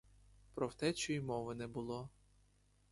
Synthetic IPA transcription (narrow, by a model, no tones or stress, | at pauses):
pɾɔwt̪ɛt͡ʃɔjjmɔʋɪnɛbʊlˠɔ